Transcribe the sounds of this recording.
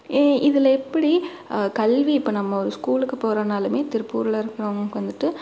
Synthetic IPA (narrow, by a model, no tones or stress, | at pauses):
ʔɪðɪlɐɛpːɐɽi | kɐlʋiːpːoːnɐmːɐɔɾɯskuːlɯkːɯpoːɾɐnaːlɯmeːt̪ɪɾɯpːuːɾɐlɐɪɾɯkːɪɾɐʋɐŋɡkːʋɐnd̪ɯʈːɯ